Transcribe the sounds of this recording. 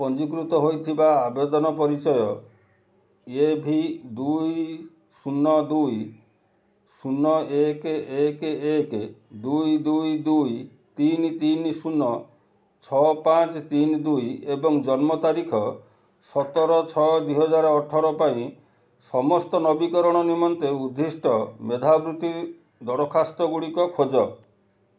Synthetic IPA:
pɔnd͡ʒik̬ɾut̪ɔɦojt̪ʰibaːbed̪ɔnɔpɔɾit͡ʃɔjɔ | ebʱid̪uj | sunːɔd̪uj | sunːɔekekeked̪ujd̪ujd̪uj | t̪int̪insunːɔ | t͡ʃʰɔpat͡ʃt̪ind̪ujebɔŋd͡ʒɔnmɔt̪aɾikʰɔ | sɔt̪ɔɾɔt͡ʃʰɔd̪uɦɔd͡ʒaɾɔʈʰɔɾɔpaĩ | sɔmɔst̪ɔnɔbikɔɾɔɽ̃ɔnimɔnt̪eud̪ʱːisʈɔmed̪ʱabɾut̪i | d̪ɔɾɔkʰast̪ɔɡuɽikɔkʰod͡ʒɔ

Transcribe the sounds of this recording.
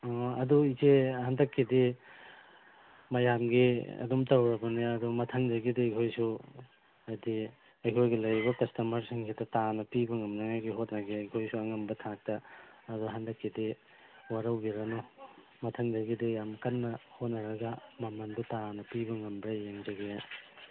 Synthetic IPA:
ɐduikʰehandɐkːidi | mɐjamɡiɐ̰dumtɐwɾɐbɐnaɐdumɐtʰɐŋdɐɡidiɐjkʰojsu | ɐjdi | ɐjkʰojɡilɐjɾibɐkɐstɐmɐɾsiŋkʰidɐtanɐpibɐŋɐmnɐŋajɡiɦot̚nɐɡiɐjkʰojsuɐŋɐmbɐtʰak̚tɐːduɦɐndɐkːidi | waɾɐwbiɾɐnɔ | mɐtʰɐŋdɐɡidijamkɐnːɐhot̚nɐɾɐɡɐmɐmɐndutanɐpibɐŋɐmbɾɐjeŋd͡ʒɐɡe

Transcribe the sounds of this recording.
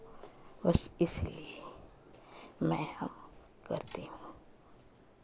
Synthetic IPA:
bɐsɪslḭe | mɛ̰̃ːhɐm | kɐɾt̪eɦũː

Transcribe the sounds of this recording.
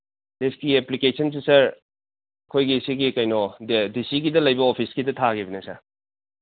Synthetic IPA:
deskieplikesʰɐns̬isɐɾ | ɐkʰojɡisiɡikɐjnɔddisiɡidɐlɐjbɐopʰisɡidɐtʰaɡibɐnesɐɾ

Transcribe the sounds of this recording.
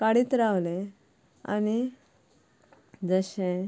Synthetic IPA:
kaɽit̪ɾawlẽ | a̰ñi | d͡zəɕẽ

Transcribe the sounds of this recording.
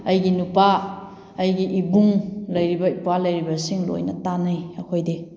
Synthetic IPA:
ɐjɡinupaː | jɡiʔibuŋlɐjɾibɐipalɐjɾibɐsiŋlo̰jnɐtanajɐkʰojdi

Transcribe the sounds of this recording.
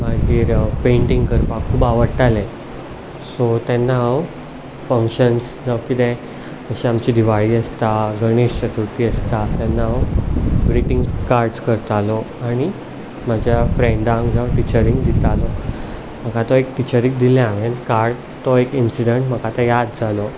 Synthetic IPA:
maɡiːɾpeɳʈĩŋɡkəɾpakʰːuːbaʋəɽʈ̪alẽ | sɔt̪ɛnːaɦaw | fəŋkɕəns | d͡zawkit̪ɛ̃ | əɕẽamt͡ɕid̪iʋaɭiəst̪aɡəɽ̃eɕt͡ɕət̪uɾt̪iːəst̪at̪ɛnːaawbɾiʈiŋɡkaɾɖskəɾt̪alɔaɽ̃i | m̤ad͡ʑʱjafɾẽɳɖãŋɡd͡zaʈit͡ɕəɾĩŋɡd̪it̪alɔ | m̤əkat̪ɔekʈit͡ɕəɾik̚d̪ilẽaʋenkaɾɽ | t̪ɔekinsiɖəɳʈm̤əkat̪əjad̪d͡zʱalɔ

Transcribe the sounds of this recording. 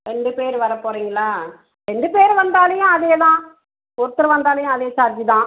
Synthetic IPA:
ɾɛɳɖɯpeːɾʋɐɾɐpːoːɾiːŋɡɐɭaː | ɾɛɳɖɯpeːɾʋɐnd̪aːlɐjʊ̃ɐðejɐt̪ãː | kʊɾɯt̪ːɯɾɐʋɐnd̪aːlɐjʊ̃ɐðeːt͡ʃaːɾt͡ʃit̪ãː

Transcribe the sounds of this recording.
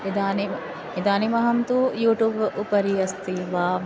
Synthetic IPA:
id̪aːni | id̪aːnimɐɦɐmt̪ujuːʈuːbupɐɾiɐst̪iʋaː

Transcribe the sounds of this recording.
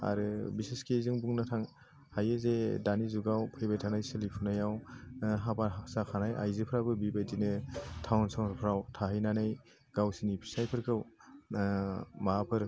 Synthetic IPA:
a̰ɾɯbiseskezɯŋbuŋnatʰaŋ | hajɯzedanizuɡawpʰajbajtʰanajsɯlipʰunajawɦapaɦasakʰanajʔa̰jzɯpʰɾabɯbibajdinɯtʰawnsawpʰɾawtʰaɦɯjnanɯj | ɡ̥awsinipʰi̥sajpʰɯɾkʰɯw | mapʰɯɾ

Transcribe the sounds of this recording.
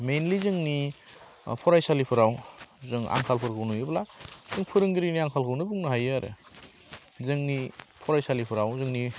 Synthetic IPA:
menlizɯŋni | pʰɔɾajsalipʰɯɾawzɯŋa̰ŋkʰalpʰɯɾkʰɯwnujɯblazɯŋpʰɯɾɯŋɡɯɾiniaŋkʰalkʰɯwnɯbuŋnɯɦajaɾɯ̰ | zɯŋnipʰɔɾajsalipʰɯɾawzɯŋni

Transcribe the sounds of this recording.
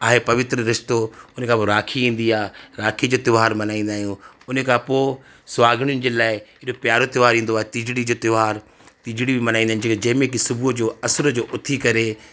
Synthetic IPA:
aːɦepɐʋɪt̪ɾəɾɪʃt̪oʊnəkʰãpoɾaːkʰiĩːn̆d̪iaːɾaːkʰid͡ʑoːt̪ɪʋɦaːɾmɐnaːĩːn̆d̪aːɦijũ | ʊnəkʰãːpoː | sʋaːɡʱɽ̃jʊnɪ̆d͡ʑeːlaːɪɪɗopjaːɾot̪ɪʋaːɾĩːn̆d̪oaːɦet̪ɪd͡ʑɽid͡ʑoːt̪ɪʋɦaːɾ | t̪ɪd͡ʑɽibɪmɐnaːĩnd̪aɦñd͡ʑeːkd͡ʑɐ̃ɦmẽkisʊbʱud͡ʑoːɐsəɾəd͡ʑoːʔʊt̪ʰikɐɾe

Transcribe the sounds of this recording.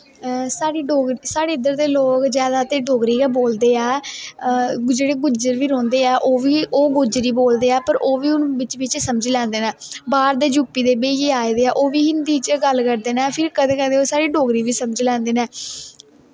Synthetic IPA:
saːɽiːɖoːɡɾiːsaːɽeːɪd̪əɾd̪eːloːkzjaːd̪aːt̪eːɖoːɡɾiːkaboːld̪eːɛː | d͡ʒeːɽeːɡʊd͡ʒəɾʋiːɾɔ̃ːnd̪eːɛːʔoːʋiːʔoːɡʊd͡ʒɾiːboːld̪eːɛːpəɾʔoːʋiːʊnʋɪt͡ʃʋɪt͡ʃsəməd͡ʒlɛ̃ːnd̪eːnɛːbaːɾd̪eːd͡ʒuːpːiːd̪eːbeːjeːaːed̪eːɛːʔoːʋiːɦɪnd̪iːt͡ʃɡəlkəɾd̪eːnɛːpʰɪɾkəd̪eːkəd̪eːoːsaːɽiːɖoːɡɾiːʋiːsəməd͡ʒlɛ̃ːnd̪eːnɛː

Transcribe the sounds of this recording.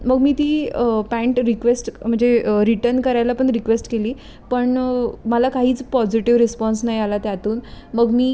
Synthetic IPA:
məɡmiːt̪iːəpæɳʈɾikʋesʈm̤əɳd͡zeɾiʈəɾnkəɾajlapəɳɾikʋesʈkeliː | pəɳməlakaɦiːt͡spɔd͡ʑiʈiʋɾispɔns̬najalat̪jat̪uːnməɡmiː

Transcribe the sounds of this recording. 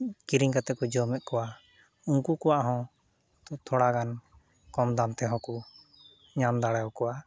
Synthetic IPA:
kiɾiŋkat̪ɛkɔd͡ʒɔmɛʔ̪̚kɔwa | uŋkukɔwaʔɦɔ̃ | t̪ʰɔɽaɡan | kɔmd̪amt̪ɛɦɔ̃ku | ɲamd̪aɽajɔkɔwa

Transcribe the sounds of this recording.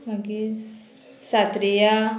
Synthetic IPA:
baki | sat̪ɾija

